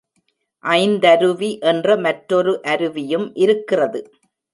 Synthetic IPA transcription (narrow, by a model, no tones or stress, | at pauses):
ʔɐɪnd̪ɐɾɯʋiʔɛndrɐmɐʈɾɔɾɯʔɐɾɯʋɪjɯmʔɪɾɯkːɪrɐðɯ